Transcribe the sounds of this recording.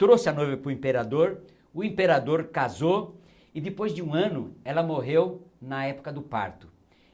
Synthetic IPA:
t̪ɾosɪɐnojvɐpɾʊĩpeɾad̪oɾ | ʊẽmpeɾad̪oɾkazo | ɪd̪ɪpojzd͡ʒɪũɐ̃nʊɛlɐmoɦewnɐɛpʊ̥kɐd̪ʊpa̰ɾt̪ʊ̥

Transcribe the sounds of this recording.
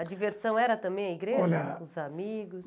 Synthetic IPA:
ɐd͡ʒiveɾsɐ̃w̃ɛɾɐt̪ɐ̃mbẽj̃ɐiɡɾeoʒɐɛʊzamiɡʊs

